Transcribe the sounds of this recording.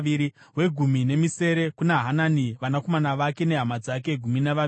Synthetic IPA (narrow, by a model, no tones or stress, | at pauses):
iɾi | ɦwe̞ɡʱumine̞mise̞ɾe̞kunaɦananiʋanako̞manaʋake̞ne̞ɦamad͡zak̬e̞ɡʱuminaʋa